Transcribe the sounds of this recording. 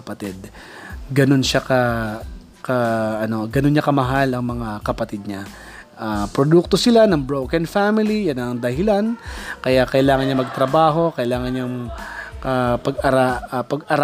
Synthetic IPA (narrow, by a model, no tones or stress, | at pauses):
ɐpɐt̪ɛd̪ɡɐno̞nʃakɐ | kɐʔɐno̞ɡɐno̞nɲːɐkɐmɐɦalɐŋmɐŋakɐpɐt̪id̪̚ɲa | ʔapɾod̪uk̚t̪o̞sɪlanɐŋbɹowkɛnfamɪlijanɐŋd̪ɐhɪlankɐjakɐʔɪlaːŋɐnɲɐmɐɡ̚t̪ɾɐbaːɦo̞kɐʔɪlaːŋɐnɲaŋ | ɐpɐɡɐɾapɐɡɐɾ